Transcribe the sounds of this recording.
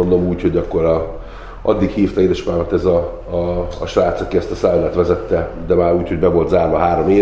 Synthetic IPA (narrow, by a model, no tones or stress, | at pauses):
ond̪omuːcho̞ɟɒkːo̞ɾɒ | ʔɒ̰d̪ːikhiːft̪ɒeːd̪ɛʃpaːmɒt̪ɛzɒ̰ː | ʃvaːt̪sɒkiɛst̪ɒsaːlɛt̪ʋɛzɛt̪ːɛd̪ɛmaːɾuːcho̞ɟbɛvo̞lt̪zaːɾvɒɦaːɾo̞meː